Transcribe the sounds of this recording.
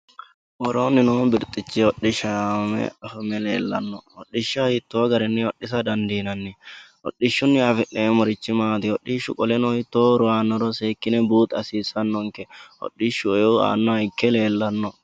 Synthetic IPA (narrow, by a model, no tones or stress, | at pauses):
ʔɔɾoːnːɪnoːbɪɾt̪ʼːɪt͡ʃːɪɔɗːɪʃɐmɛ̰ɐfʊmɛlḛːlːɐ̰nːɔ̰ɔɗːɪʃːɐhɪt̪ːoːɡɐɾɪnːɪɔɗːɪsɐd̪ɐnd̪iːnɐnːɪ | ɔ̰ɗːɪʃːʊnːɪɐfɪʔeːmɔɾɪt͡ʃːɪmaːt̪ɪɔɗɪʃʊ̰kʼɔlɛnɔhɪt̪ːoːɾʊaːnːɔɾɔseːkːɪnɛbuːt̪ɐsiːsːɐnːɔŋkɛʔɔ̰ɗːɪʃːʊɛoa̰ːnːɔɐɪkːɛleːlːɐnːɔ